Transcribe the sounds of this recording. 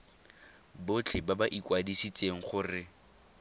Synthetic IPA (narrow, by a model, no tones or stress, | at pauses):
bʊt͡ɬʰɪbabaʔikʼwadisit͡sʼeŋ̩χʊrɪ